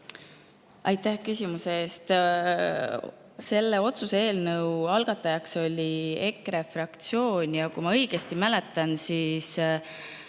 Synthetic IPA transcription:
ʔɑjt̪ˑːæhkysʲimuseeːst̪ | se̞lːeo̞t̪susee̞ːlnəwɑlɡ̥ɑt̪ːˑɑjɑkso̞lʲie̞krefrɑkt̪sio̞ːnʲjɑkujmɑɤjɡ̥e̞st̪imælet̪ːˑɑnsiːs

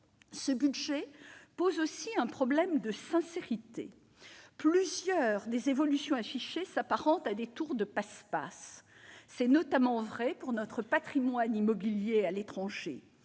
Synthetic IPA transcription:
səbyd̪ʒɛpozosiɛ̃pχɔblɛmd̪əsɛ̃seʁit̪ḛ | plyzjœʁd̪ezevɔlysjɔ̃afiʃesapaʁɑ̃t̪ad̪et̪uʁd̪əpaspa̰sː | ɛnɔt̪amɑ̃vʁɛpuʁnɔt̪χəpat̪χimwanimɔbiljealet̪χɑ̃ʒḛ

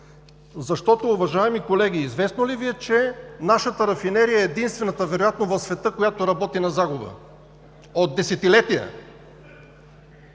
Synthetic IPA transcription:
zɐʃt̪ɔt̪oːvɐʒaɛmikolɛɡ̟iːzvɛsnoliviɛt͡ʃɛnaʃət̪əɾɐfinɛɾijɐɛːd̪inst̪vɛnət̪əvɛɾojat̪novəfsvɛt̪ɤkojat̪oɾɐbɔt̪inɐzaɡʊbə̰ | od̪̚ːɛsɛt̪ilɛt̪ijə̰

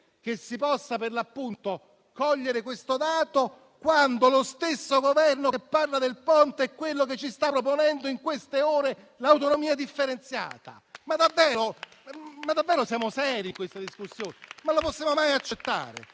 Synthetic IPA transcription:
k̟esːipɔsːaperlapːunt̪o | kɔʎːeɾekwest̪od̪aːt̪o | kwand̪olost̪esːoɡovɛrnokepːarlad̪elpɔnt̪ɛkːwelːok̬et͡ʃːist̪apːɾop̬onɛnd̪oiŋkwest̪eoːɾe | lawt̪onomiːad̪ifːeɾent̪sja̰ːt̪a̰mad̪avːɛːɾo | mad̪ːavːɛːɾosjaːmosɛːɾiŋkwest̪ad̪iskusːjoːnemaloposːjaːmomajat͡ʃːet̪ːa̰ːɾḛ

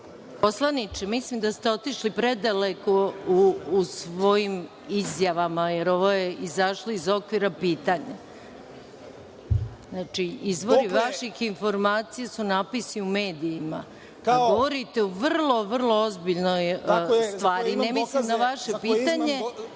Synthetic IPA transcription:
poslˠanit͡ʃemislimd̪ast̪eo̞t̪iʃlipɾe̞d̪alekouːsʋo̞jim | izjaʋamajeɾo̞ʋo̞je̞izaʃloizo̞kʋiɾapiːt̪aɲa | znaːt͡ʃiizʋo̞ɾiʋaʃixinfo̞ɾmaːt̪sijasunaːpisiume̞ːd̪iːma̰ | kaɡo̞ʋo̞ɾit̪e̞uʋr̩lˠo̞ʋr̩lˠoozbiʎnojst̪ʋaːɾinemislimd̪aʋaʃe̞piːt̪aɲe̞

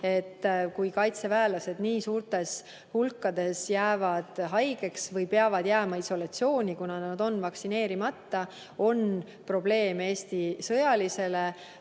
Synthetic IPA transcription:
e̞t̪ːkujkɑjt̪se̞væːlɑse̞d̪̥niːsuːrt̪ˑe̞s | hulkːɑd̪̥e̞sjæːvɑd̪̥ɦɑjɡ̥e̞ksvɤjpeɑvɑd̪̥jæːmɑiso̞lɑt̪sio̞ːnʲikunɑnɑd̪o̞nːvɑksine̞ːɾimɑt̪ːɑ | o̞n | pro̞ble̞ːme̞ːst̪isɤjɑlise̞le

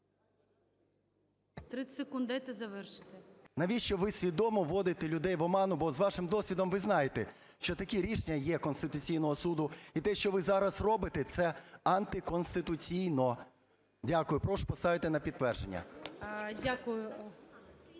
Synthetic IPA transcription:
t̪ɾɪsekund̪ɐjt̪ɛzɐʋɛrʃɪ̥t̪ɪnɐʋʲiʃt͡ʃɔʋɪsʲʋʲid̪ɔmɔʋɔd̪ɪt̪elʲʊd̪ɛjʋɔmɑnʊbɔzʋɑʃɪmd̪ɔsʲʋʲid̪ɔmʋɪznɑjet̪e | ʃt͡ʃɔt̪ɐkʲiɾʲiʃenʲɐjɛkɔnst̪ɪt̪ʊt͡sʲijnɔɦɔsud̪ʊit̪ɛʃt͡ʃɔʋɪzɑɾɐsrɔbɪt̪et̪sɛɐnt̪ɪkɔnst̪ɪt̪ʊt͡sʲijnɔ | dʲakʊjʊpɾɔʃpɔst̪ɑʋɪt̪enɐpʲit̪ːʋɛrʒenʲːɐ̰ | dʲakʊjʊ

